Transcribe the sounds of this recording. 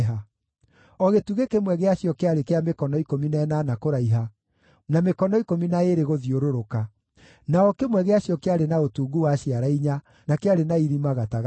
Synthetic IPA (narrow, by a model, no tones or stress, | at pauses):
ɦa | ɔɣetuɣekemwɛɣeaɕjɔkeaɾekeamekɔnɔikominɛnanakoɾaiɦa | namekɔnɔikominaeɾeɣoðioɾoɾoka | naɔkemwɛɣeaɕjɔkeaɾenaotuɡuwaɕiaɾaiɲa | nakeaɾenaiɾimaɣataɣ